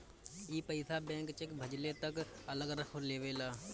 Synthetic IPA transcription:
iːpəɪsabɛ̃ːŋkt͡ʃekbʱəd͡ʒlet̪ək | ɐləɡəɾəkʰoleːʋeːlaː

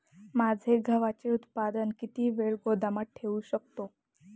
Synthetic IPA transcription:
mad͡zʱeɡʱəʋat͡ɕeut̪pad̪ənkit̪iːʋeɭɡod̪aməʈ̚ʈʰeuɕək̚t̪o

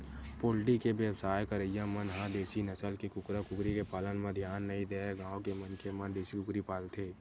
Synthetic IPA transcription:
poːlʈikebjəwsaːjkəɾəjãmənɦãd̪eːsinəsəlkikʊkɾakʊkɾikepaːlənmẽd̪ʱjaːnːɐɦĩd̪eːɛɡãːwkemənkemənd̪eːsikʊkɾipaːlt̪ʰeː

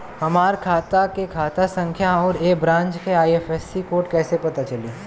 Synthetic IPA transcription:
ɦɐmaːɾkʰaːt̪akekʰaːt̪asɐ̃ŋkʰjaɔːɾeːbɾãːnt͡ʃkeaːieːfɛːsikoːʈkɛːsepɐt̪at͡ʃɐliː

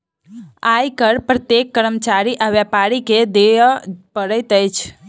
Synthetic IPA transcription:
ajkəɾpɾət̪jekːəɾəmət͡ʃaɾiʔəʋjapaɾiked̪epəɽət̪əjt͡ʃʰ

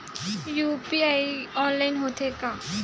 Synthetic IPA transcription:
jupiajɔnlajnɦot̪ʰeka

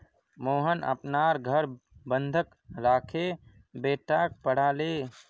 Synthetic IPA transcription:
moːɦənʔə̰pnaːɾɡʱəɾ | bənd̪ʱək | ɾaːkʰeː | beːʈaːk̚pəɽ̤aːleː

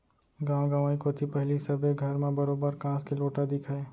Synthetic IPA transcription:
ɡãːwɡãːʋaːikot̪ʰipɛɦlisɐbeɡʱɐɾmẽbɐɾoːbəɾkãːskeloːʈad̪ɪkʰaeː

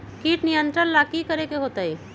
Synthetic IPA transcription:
kiːʈnijə̃nt̪ɾənlaːkikəɾekeɦoːt̪aiː

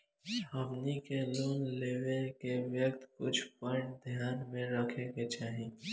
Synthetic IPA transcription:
ɦəbnikeluːnleːʋekeʋjəkt̪kʊt͡ʃʰpəʈ̚d̪ʱjaːnmẽɾəkʰeket͡ʃaːɦi

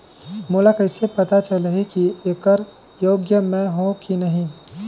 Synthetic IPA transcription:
mulakəɪsepɐt̪at͡ʃələɦikieːkəɾ | joːɡjəmẽɦõkinəɦĩ

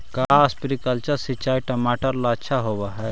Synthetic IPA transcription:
kaspɾikəlt͡ʃəɾsit͡ʃaːiʈɐmaːʈəɾlaətːʃʰaɦoːbaɦɛ

